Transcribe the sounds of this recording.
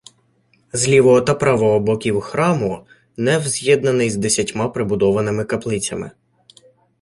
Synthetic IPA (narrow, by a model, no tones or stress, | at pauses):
zlʲiʋɔɦɔt̪ɐpɾɑʋɔɦɔbɔkʲiwxɾɑmʊ | nɛwzʲjɛd̪nɐnɪjzd̪esʲɐtʲmɑpɾɪbʊd̪ɔʋɐnɪmɪkɐplˠɪt͡sʲɐ̰mɪ̰